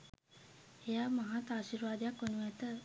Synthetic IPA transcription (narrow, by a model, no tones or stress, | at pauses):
ejaːmaɦat̪aːʃiɾʋaːd̪jakːonuʋæt̪ə